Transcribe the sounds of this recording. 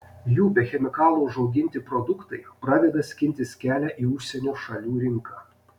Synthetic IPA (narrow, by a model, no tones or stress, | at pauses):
juːbʲɛxʲɛmʲɪkɑːlˠoːʊʒɒʊɡʲɪnʲt̪ʲɪpɾɔd̪ʊkt̪ɐɪpɾɑːd̪ʲɛd̪ɐsʲkʲɪnʲt̪ʲɪsʲkʲæːlʲæʔiːʊʃʲsʲɛnʲuːʃɐlʲuːɾʲɪŋˑkɑː